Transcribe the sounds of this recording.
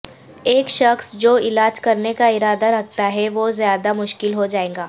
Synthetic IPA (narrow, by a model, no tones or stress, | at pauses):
eːkʃɐxsd͡ʒoːɪlaːd͡ʒkɐɾnekaɪɾaːd̪aɾɐk̚ʰt̪aɦɛʋozjaːd̪amʊʃkɪlɦod͡ʒaːẽːŋɡaː